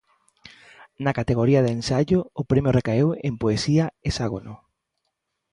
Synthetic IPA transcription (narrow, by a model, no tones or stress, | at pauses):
nakat̪eɣoɾiaðensaʎʊʊpɾemjʊrekaewempoesiaesaɣ̞ono